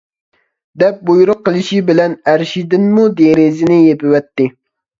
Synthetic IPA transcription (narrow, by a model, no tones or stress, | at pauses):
d̪ɛp̚bojuɾʊqːəlˠɨʃibɪlɛnæɾʃid̪ɪnmud̪eɾɪzɪnɪjepɪwɛt̪ːɪ